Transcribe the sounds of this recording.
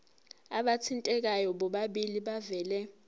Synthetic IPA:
aɓatʰintʼɛk̬ajɔɓɔɓaɓiliɓavɛːlɛ

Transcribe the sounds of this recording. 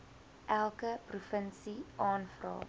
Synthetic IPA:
ʔælˠkəprufənsiʔɑːnfrɑ̰ː

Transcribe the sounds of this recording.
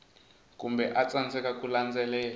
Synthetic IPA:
k̬ʼumbɛʔat͡sand͡zɛkʼakʼuland͡zɛlɛːl

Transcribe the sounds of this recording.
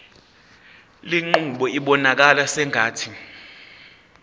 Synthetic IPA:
liŋ͡ǃuɓɔiɓɔnak̬alasɛŋʱaːtʰi

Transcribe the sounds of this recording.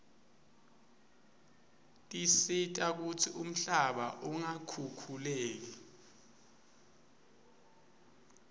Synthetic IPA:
tʼisitʼak̬ut͡sʰium̩ɬaɓa̰ʔuŋakʰukʰuleːk̬ɛ

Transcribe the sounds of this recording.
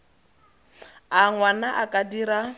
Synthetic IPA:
aŋwanaʔakʼadiɾa

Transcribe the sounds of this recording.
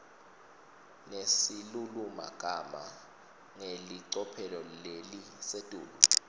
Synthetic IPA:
nesiluluma̰ɡ̥ʱama̰ | ŋeliǀɔpʰɛlɔlelisetʼṵːɓu

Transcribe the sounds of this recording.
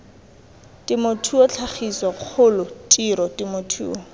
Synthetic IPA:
tʼɪmʊtʰuɔt͡ɬʰaχiswaq͡χʰʊlʊtʼiɾɔtimʊtʰṵːɔ

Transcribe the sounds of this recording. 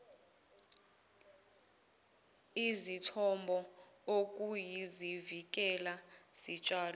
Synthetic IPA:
izitʰɔmbʱɔok̬ʼujizivik̬ʼɛlaz̥it͡ʃʼaːlɔ

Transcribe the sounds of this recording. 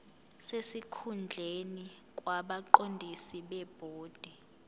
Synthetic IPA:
sesikʰund͡ɮʱenik̬ʼwaɓaǃondʱisiɓɛb̥ʱoːd̥ʱɛ

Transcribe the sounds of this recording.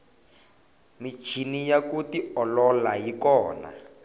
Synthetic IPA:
mit͡ʃʰinijakutiɔlɔlajikɔːna̰

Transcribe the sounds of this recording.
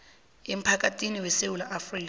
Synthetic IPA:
em̩pʰak̬atʰʼiniwɛsewulaʔafriːk

